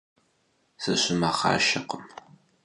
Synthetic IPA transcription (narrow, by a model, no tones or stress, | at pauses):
sɨɕɪmaχɑ̰ːʃɐqəm